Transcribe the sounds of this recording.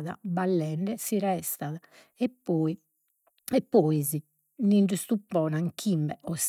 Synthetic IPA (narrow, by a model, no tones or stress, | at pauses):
ða̰balːɛɳɖɛsiɾɛst̪aða | ɛpːɔːi | ɛpːɔizi | niɳɖust̪upːɔːnaŋkʰimbɛʔɔs